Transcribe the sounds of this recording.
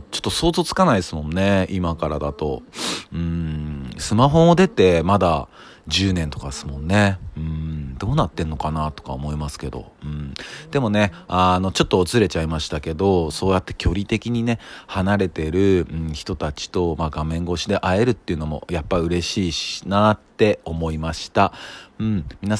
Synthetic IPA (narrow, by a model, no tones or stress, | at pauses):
t͡ɕo̞̥t̪ːo̞so̞ːzo̞ːt͡sɨ̥kanaid̪sɨmõ̞nːe̞imakaɾad̪at̪o̞̰ɯ̟̃ɴsɨmaɦo̞ːd̪e̞t̪e̞mad̪a | d͡ʑɨːnẽ̞nt̪o̞kasɨ̥mõ̞nːe̞ɯ̟̃ɴd̪o̞ːnat̪ːẽ̞nːo̞kanat̪o̞̥ka̰omo̞imasɨ̥ke̞d̪o̞̰ɯ̟̃ɴd̪e̞mo̞ne̞ | ano̞t͡ɕo̞t̪ːo̞ːt͡sɨɾe̞t͡ɕaimaɕi̥t̪ake̞d̪o̞so̞ːjat̪ːe̞̥kʲʰo̞ɾʲit̪e̞kʲiɲ̟ine̞hanaɾe̞t̪e̞ɾɯ̟ɯ̟̃ɴçi̥t̪o̞t̪at͡ɕi̥t̪o̞maɡamẽ̞ŋɡo̞ɕid̪e̞ʔae̞ɾɯ̟t̪ːe̞iɯ̟no̞mo̞̰japːaiɯ̟ɾe̞ɕiːɕnat̪ːe̞o̞mo̞imaɕi̥t̪ã̟ɴmʲina